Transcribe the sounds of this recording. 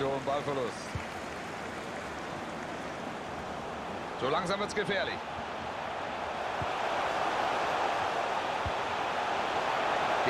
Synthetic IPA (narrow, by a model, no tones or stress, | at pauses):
oːʊnbalfɛlʊs | z̥oːlaŋzamvɪɐtsɡ̥əfɛːɐlɪç | ɡ̥